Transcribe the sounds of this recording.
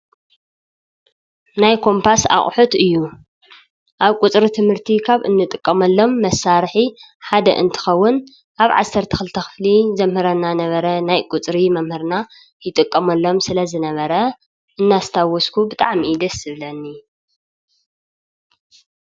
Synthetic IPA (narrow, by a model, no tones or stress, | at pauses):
najkʰo̞mpʰasa̰χʼħut̪ɨjːu | ʔaβkʼut͡sʼɾit̪ʰɨmhɨɾt̪ʰikʰaβɨnːɨt̪ʼɨkʼːɐmɐlːo̞mːɐsːaɾħi | ħad̪ɐ̰ʔɨ̰nt̪ʰɨ̥xɐwːʊn | ʔaβʕa̰sːɐɾt̪ʰɐ̥xɨlt̪ʰɐxɨ̥flizɐmhɨɾɐnːanɐβɐɾɐnajkʼut͡sʼɾimɐmhɨɾna | jɪt̪ʼɨkʼːɐmɐlːo̞msɨlɐzɨnɐβɐɾɐ | ʔɨnːast̪ʰawɔskʰubɨt̪ʼa̰ʕmid̪ɐsɨβlɐnːi